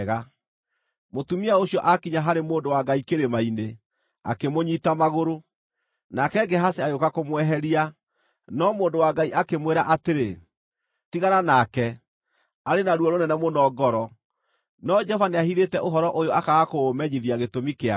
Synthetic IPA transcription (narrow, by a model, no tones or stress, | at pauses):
ɣa | motumiaoɕiɔʔakiɲaɦaɾemoːndowaɡaikeɾemaine | a̰kemoɲitamaɣoɾo | nakɛɡɛɦaseajokakomwɛɦɛɾia | nɔmoːndowaɡaiʔakemweɾaʔateɾe | tiɣaɾanakɛ | aɾenaɾwɔɾonɛnɛmonɔːɡɔɾɔ | nɔd͡ʒɔvaneahiðetɛʔoɦɔɾɔʔojoakaɣakoːmɛɲiðiaɣetomikea